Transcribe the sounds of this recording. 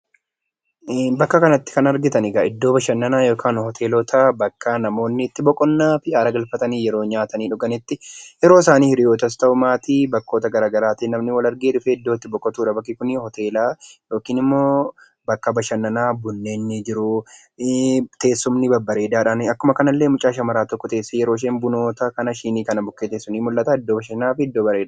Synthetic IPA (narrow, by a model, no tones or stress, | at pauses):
bɐkːɐkɐnɐt̪ːɪ̥kɐnɐɾɡɪt̪ɐnɪɡaɪd̪ːo̞ːbɐʃɐnːɐnaːjo̞ːkʰaːnhɔt̪ʰe̞ːlɔːt̪ʰabɐkːɐnɐmo̞ːnːɪt̪ːɪbɔkʼɔnːaːfɪʔaːɾɐɡɐlfɐt̪ɐniːjɛɾo̞ːɲaːt̪ɐniːᶑʊɡɐnɪt̪ːɪjɛɾo̞ːsaːniːhɪɾɪjo̞ːt̪ɐs̬t̪ɐʔʊmaːt̪iːbɐkːo̞ːt̪ɐɡɐɾaːɡɐɾaːt̪inɐmnɪwɐlɐɾɡeːᶑʊfɛɪd̪ːoːɪt̪ːɪbɔkʼːɔt̪uːᶑɐbɐkːɪkʊnɪhɔt̪e̞ːlaːjo̞ːkiːnɪmːoː | bɐkːɐbɐʃɐnːɐnaːbʊnːeːnːɪd͡ʒɪɾʊ | t̪e̞ːsːʊmnɪbɐbːɐɾe̞ːd̪aːᶑaːnɐkːʊmɐkɐnɐlːe̞ːmʊt͡ʃʼaːʃɐmɐɾaːt̪ɔkːɔt̪e̞ːsːɐjɛɾoːɪʃ̬eːmbʊno̞ːt̪ɐkɐnɐʃiːniːkɐnɐbʊkːeːt̪eːsːʊniːmʊlːɐt̪aːɪd̪ːoːbɐʃɐnaːfɪɪd̪ːoːbɐɾe̞ːd̪a